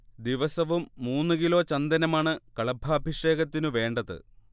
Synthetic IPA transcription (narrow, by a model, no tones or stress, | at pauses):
d̪iʋɐsɐʋumːuːnːɨkilo̞ːt͡ɕɐnd̪ɐnɐmaːɳɨkɐɭɐbʱɐːbʱiʂe̞ːɣɐt̪ːinɨʋe̞ːɳɖɐðɨ̰